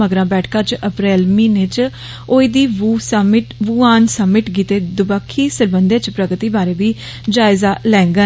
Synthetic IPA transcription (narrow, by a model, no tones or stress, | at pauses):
məɡɾãːbɛːʈʰkãːt͡ʃəpɾɛːlmĩːnẽːt͡ʃ | oːiːd̪iːʋsmɪʈʋuːaːnsəmːɪʈɡiːt̪eːd̪ʊbaːkʰːiːsəɾbənd̪eːt͡ʃpɾəɡt̪iːbaːɾeːʋiː | d͡ʒaːɪzaːlɛ̃ːŋɡə